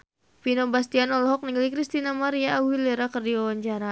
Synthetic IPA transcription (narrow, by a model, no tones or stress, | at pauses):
pinobast̪ianɔlɔɦɔk̚niŋɡlikɾist̪inamaɾiaːwileɾakərdiɔwaɲt͡ʃaɾa